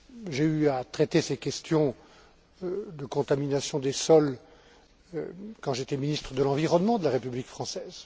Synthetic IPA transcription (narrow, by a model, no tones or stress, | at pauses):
ʒeyat̪χɛt̪esɛkʲɛst̪jɔ̃ | d̪əkɔ̃t̪aminasjɔ̃d̪esɔl | kɑ̃ʒet̪ɛminist̪χəd̪əlɑ̃viʁɔnmɑ̃d̪əlaʁepyblikfχɑ̃sɛz